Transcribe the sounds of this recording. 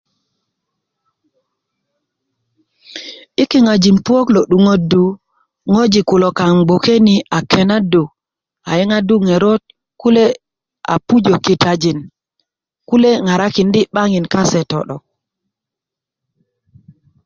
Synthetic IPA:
i˦ki˨ŋa˨d͡ʒi˨npu˦o˦klo˨ɗu˨ŋo˦du˨ | ŋo˦d͡ʒi˨ku˨lo˨ka˨ŋbo˨ke˦ni˨a˨kʰe˨na˦do˨ | a̰˨ji˦ŋa˦du˦ŋe˨ɾo˦t̚ | ku˦le˦ | a̰˨pu˦d͡ʒo˨ki˨ta˦d͡ʒi˨n | ku˦le˦ŋa˨ɾa˦ki˨ndi˦ɓa˦ŋi˨nka˦sɛ˨tɔ̰˨ɗɔ˨

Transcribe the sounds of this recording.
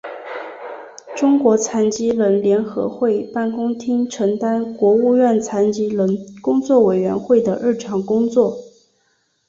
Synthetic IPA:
ʈ͡ʂʊ˥ŋkwɔ˧˥t͡sʰa˧˥nt͡ɕi˥lə˧˥nljɛ˧˥nxɤ̰˧˥xwe˥˧ɪpa˥˩nkʊ˥ŋt̪ʰi˥ŋʈ͡ʂʰɤ˧˥ŋt̪a˥nkwɔ˧˥u˥˧ɥɛ˥˩nt͡sʰa˧˥nt͡ɕi˥lə˧˥nkʊ˥ŋt͡swɔ˥˩we˨˩ɪɥɛ˧˥nxwe˥˩ɪd̪ə˩ɻɻ̩˥˩ʈ͡ʂʰɑ˧˥ŋkʊ˥ŋt͡swɔ˥˩

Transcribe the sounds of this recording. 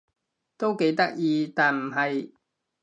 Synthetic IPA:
t̪o˥wke˨˥jt̪ɐ˥k̚jiː˨˧t̪aː˨nm̩˨˩ɦɐ˨j

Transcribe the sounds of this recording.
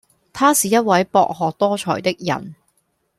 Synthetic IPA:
t̪ʰaː˥siː˨jɐ˥t̚wɐ˨˥jpɔ̰ː˧k̚ɦɔː˨k̚t̪ɔː˥t͡ʃʰɔ̰ː˨˩jt̪ɪ˥k̚jɐ̰˨˩n

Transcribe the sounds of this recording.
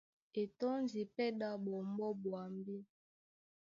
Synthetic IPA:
e˨tɔ˦nzi˨pɛ˦ɗa˦bɔ˨mbɔ˦bwa˨mbi˦

